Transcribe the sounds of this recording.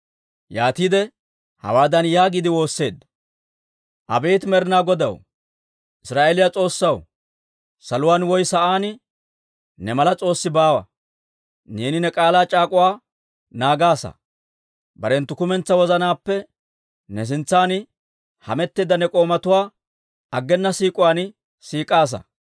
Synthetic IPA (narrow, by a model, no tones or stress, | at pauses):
jaːt̪iːd̪ɛ | hɐ̰waːd̪ɐnjaːɡɪd̪ɪwo̞ːsːe̞ːd̪ːɐ | ʔɐ̰beːt̪mɛɾɪnaːɡɔd̪ɐ̰w | ʔɪsɾaːʔeːlɪjat͡sʼo̞ːsːɐw | sɐlʊwaːnwɔjsɐʔaːnɪ | nɛmɐlɐt͡sʼo̞ːsːɪbaːwɐ̰ | neːnɪnɛkʼaːlaːt͡ʃʼaːkʼʊwaː | naːɡaːsɐ̰ | bɐɾɛnt̪ːʊkʊmɛnt͡sːɐwɔzɐnaːpːɛ | nɛs̬ɪnt͡sːaːnɪ | hɐ̰mɛt̪ːeːd̪ɐnɛkʼo̞ːmɐt̪ʊwaː | ɐɡːɛnːɐsiːkʼʊwaːn | siːkʼaːs̬ɐ̰